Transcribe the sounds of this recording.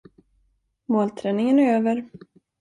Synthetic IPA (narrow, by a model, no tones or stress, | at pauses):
moːlt̪ʰɾɛːnɪŋənæɾøːvəɾ